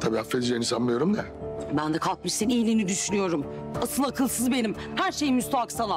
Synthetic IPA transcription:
t̪ʰabiːafːezd͡ʒenisammɯjo̞ɾumd̪ɛ | bænd̪ɛkʰalˠk̚miʃinijlʲinid̪yʃynyjo̞ɾum | asɯlˠakʰɯlˠsɯzbe̞nimhæɾʃe̞jimyst̪aaksalˠa

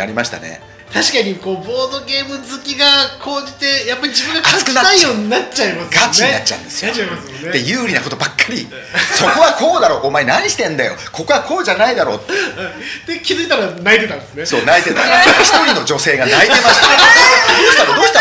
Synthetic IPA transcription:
a̰ɾʲimaɕi̥t̪a̰nḛ | t̪aɕi̥kaɲ̟iko̞ːbo̞ːd̪o̞ɡʲe̞ːmɯ̟zɨkʲiɡakʰo̞ːd͡ʑit̪e̞japːaɾʲid͡ʑibɯ̟̃ŋɡakasɨ̥kɯnaaijo̞ːɲ̟inat͡ɕaimasɡat͡ɕiɲinat͡ɕːã̰ɯ̰̃nd̪esɨjmas | d̪e̞jɯːɾʲinako̞t̪o̞bakːaɾʲi | so̞ko̞βakʰo̞ːd̪aɾo̞ːʔomaenaɲ̟iɕi̥t̪ẽ̞nd̪ajo̞̰kʰo̞ko̞βakʰo̞ːʑanaid̪aɾo̞ːt̪ː | d̪̥ekʲizɨit̪aɾanait̪e̞t̪ãnd̪esɨneso̞̰ːnait̪e̞t̪a̰çi̥t̪o̞ɾʲino̞d͡ʑo̞se̞ːɡanaie̞maɕd̪oːçt̪at̪od̪oːçt̪

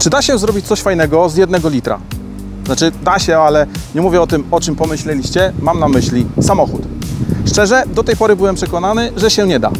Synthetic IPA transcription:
t͡ʂɘd̪aɕɛzɾɔbʲit͡ɕt̪sɔɕfajnɛɡɔzjɛd̪nɛɡɔlʲit̪ɾa̰ | nat͡ʂɘd̪aɕɛalɛɲɛmuvʲjɛɔt̪ɘmɔt͡ʂɘmpɔmɘɕlɛlʲiɕt͡ɕɛmamnamɘɕlʲisamɔxut̪ʂt͡ʂɛʐɛd̪ɔt̪ɛjpɔɾɘbɘwɛmpʂɛkɔnanɘʐɛɕɛɲɛd̪a̰

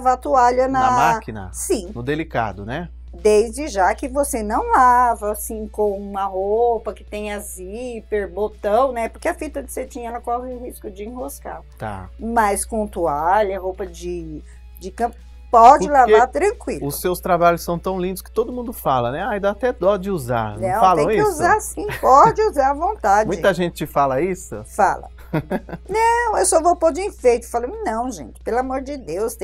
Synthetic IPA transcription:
vat̪uaʎɐnɐmakinɐ̰sĩnʊd̪elika̰d̪ʊnɛ | d̪ejzd͡ʒɪʒakɪvosenɐ̃w̃lavɐːsĩkõũmɐɦopɐkɪ̥t̪ẽj̃ɐzipeɾbot̪ɐ̃w̃nɛpʊɾkeɐfit̪ɐd͡ʒɪset͡ʃĩɲɐɛlɐkɔhɪʊhiskʊd͡ʒɪĩɦoska̰ | t̪a̰mɐjskõt̪uaʎɐɦowpɐd͡ʒɪ | d͡ʒɪkɐ̃pʊ | pɔd͡ʒɪlavaɾt̪ɾɐ̃kwilʊssːewst̪ɾabaʎʊssɐ̃w̃t̪ɐ̃w̃lĩnd̪ʊskɪ̥t̪od̪ʊmũnd̪ʊfalɐnɛaj̃d̪at̪ɛd̪ɔd͡ʒɪuza̰ɾñɐ̃w̃ftalɐẽw̃ĩɪsuzaɾsĩpɔd͡ʒɪuzaɾɐvõnt̪ad͡ʒmũj̃ɪt̪ɐʒẽt͡ʃɪ̥t͡ʃɪfalɐisʊ̰fa̰lɐ̰ | nɐ̃w̃ewsɔvopod͡ʒɪĩfejt̪ʊ̥falɐ̃nɐ̃w̃ʒẽt͡ʃɪ̥pelamoɾd͡ʒɪd̪ewst̪ẽ

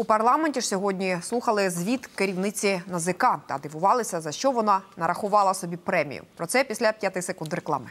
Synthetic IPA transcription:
upɐrlˠɑmenʲtʲiʂsʲɔɦɔdʲnʲislˠuxɐlˠɪzʲʋʲit̪keɾʲiwnɪt͡sʲinɐzɪkɑt̪ɐ̰d̪ɪʋʊʋɑlˠɪsʲɐzɐʃt͡ʃɔʋɔnɑnɐɾɐxʊʋɑlˠɐsɔbʲipɾɛmʲḭjʊ̰pɾɔt̪sɛpʲisʲlʲɐpʲjat̪ɪjsekund̪ɾeklˠɑ̰mɪ

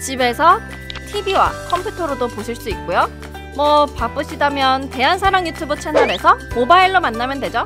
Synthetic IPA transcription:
t͡ɕibe̞sʰʌ | tʰibiwa̰kʰʌmpʰjutʰʌɾodopoɕʰiɭs͈uik͈ojo | mwʌpap͈ɯɕʰidamjʌnte̞ɦansʰaɾaŋjutʰubɯt͡ɕʰenʌɾe̞sʰʌmobaiɭːomanːamjʌndwe̞d͡ʑo

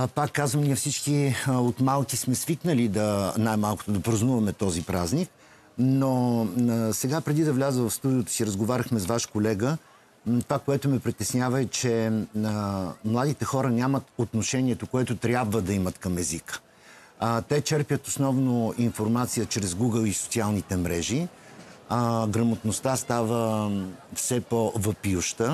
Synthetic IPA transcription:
pakːazvəmnʲiɛfsit͡ʃkiot̪malˠkʲismɛsviknəlid̪ɐnajmalˠko̥t̪od̪ɐpɾɐznuvɐmɛt̪ɔzipɾaznik | no | sɛɡapɾɛd̪id̪ɐvlʲazəvəfst̪ud̪iot̪o̥siɾəzɡovaɾʲəxmɛsvaʃkolɛɡə | t̪ovakoɛt̪ʊmɛpɾit̪ɛsnʲavəɛt͡ʃɛ | mlˠad̪it̪ɛxɔɾənʲjamət̪ot̪noʃɛniɛt̪okoɛt̪ʊt̪ɾʲjabvəd̪ɐimət̪kɐmɛzik | t̪ɛt͡ʃɛɾpjət̪osnɔvnoinfoɾmat̪sijət͡ʃɾɛzɡuɡəlˠiso̥t̪sialˠnit̪ɛmɾɛʒi | ɡɾəmot̪nost̪ast̪avə | fsɛpovəpiuʃt̪ə

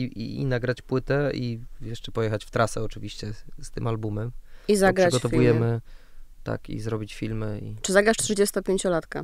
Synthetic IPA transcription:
iiinaɡɾat͡ɕpwɘt̪ɛijɛʂt͡ʂɛpɔjɛxat͡ɕft̪ɾasɛɔt͡ʂɘvʲiɕt͡ɕɛst̪ɘmalbumɛmizaɡɾʂat͡ɕɡɔtt̪ɔvujɛmɘt̪a̰kḭzɾɔbʲit͡ɕfʲilmɘḭt͡ʂɘzaɡɾaʂt̪ʂɘd͡ʑɛst̪ɔpʲjẽɲt͡ɕɔlat̪ka

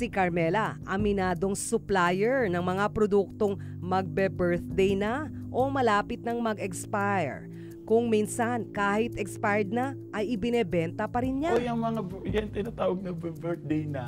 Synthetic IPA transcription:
sɪkɐɹmɛlɐʔɐmɪnaːd̪o̞ŋsʊplajɛɹnɐŋmɐŋapɾod̪uk̚t̪o̞ŋ | mɐɡ̚bɛbɛɹt̪̚d̪ɛjnɐ | ʔo̞mɐlaːpɪt̪̚nɐŋmɐɡɛkspaj̰ɹ | kʊŋminsɐnkaːhɪt̪ʔɛkspajd̪̚nɐ | ʔɐjɪbɪnɛbɛnt̪ɐpɐɾɪnɲajɐŋmɐŋabjɛŋt̪ɪnat̪aːwɐɡ̚nɐbɛbɛɹd̪ɛjnɐ

